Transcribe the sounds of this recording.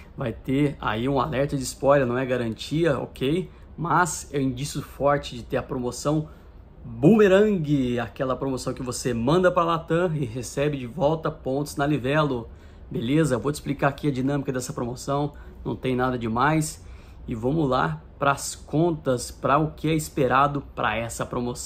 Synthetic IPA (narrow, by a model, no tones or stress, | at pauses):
vajt̪ea̰iũa̰lɛɾt̪ɐd͡ʒɪispɔjlɐɾnɐ̃w̃ɛɡaɾɐ̃nt͡ʃiɐo̰kʰej | mɐsɛ̃ĩd͡ʒisjʊfɔɾt͡ʃɪd͡ʒɪt̪eɾɐpɾomosɐ̃w̃ | bumeɾɐ̃ɡɪakɛlɐpɾomosɐ̃w̃kɪvosemɐ̃nd̪ɐpɾɐlat̪ɐ̃ɪɦesɛbɪd͡ʒɪvɔwt̪ɐpõnt̪ʊznɐlivɛlo | belezɐvoɪsplikaakiɐd͡ʒinɐ̃mikɐd̪ɛsɐpɾomosɐ̃w̃ | nɐ̰̃w̃t̪ẽj̃nad̪ɐd͡ʒɪmajs | ɪvõmula̰pɾɐːskõnt̪ɐspɾɐʊkɪɛɪspeɾad̪ʊpɾʔɐ̰ɛsɐpɾomosɐ̃